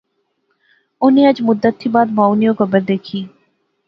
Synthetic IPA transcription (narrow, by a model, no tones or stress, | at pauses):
ʊnẽːəd͡ʒmʊd̪ːət̪ʰːiːbaːd̪mãːʊnijõɡəbəɾd̪eːkʰiː